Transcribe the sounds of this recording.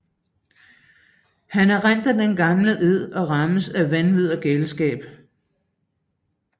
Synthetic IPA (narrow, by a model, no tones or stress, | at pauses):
hænæɐʁan̰d̥æd̥enɡ̥ɑ̈mləʔeð̰ˠɒ̽ʁɑ̈məsæʋænʋið̞̰ˠɐɡ̥elsɡ̥ɛ̰ːb̥